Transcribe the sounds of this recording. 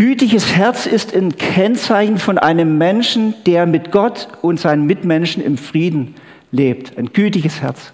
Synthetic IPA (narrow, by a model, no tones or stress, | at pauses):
ɡ̥yːtɪçəshɛɐt͡sɪstankʰɛnt͡saɪçn̩fɔnʔa̰ɪnəmːɛnʃn̩d̥eːɐmɪtɡ̥ɔtʊntz̥aɪnəmːɪtmɛnʃn̩ɪ̰mfʁ̥iːdn̩ | leːp̚tʰaɪnɡ̥yːtɪçəshɛɐt͡s